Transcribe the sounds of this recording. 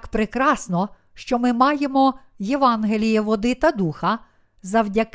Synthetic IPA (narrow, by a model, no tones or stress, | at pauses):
kpɾekɾɑsnɔ | ʃt͡ʃɔmɪmɑjemɔ | jeʋɑnɦelʲijɛʋɔd̪ɪt̪ɐd̪uxɐ | zɐwdʲɐk